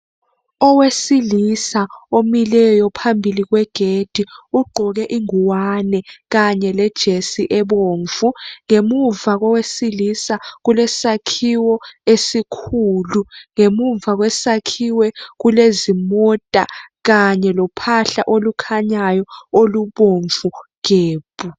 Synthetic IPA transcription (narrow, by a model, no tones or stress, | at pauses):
ɔwesilisaomilɛjɔpʰambʱilik̬wɛɡ̥ʱed̥ʱiuɡ͡ǃʱɔk̬ɛʔiŋuwanɛk̬aɲɛlɛd̥ʒ̥ʱesiʔɛɓoːɱfuŋemuɱvak̬ɔwesilisak̬ulɛsakʰiwɔesikʰuːluŋemuɱvak̬wɛsakʰiwɛk̬ulezimɔtʼa̰ɣaɲɛlɔpʰaɬa̰ʔolukʰaɲajɔoluɓoɱvukeːb̥u